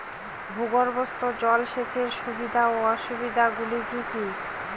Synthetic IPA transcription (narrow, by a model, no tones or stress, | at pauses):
bʱuɡoɾbost̪od͡ʑɔlʃet͡ɕʰeɾʃubid̪ʱaoɔʃubid̪ʱaɡulid͡ʑut̪i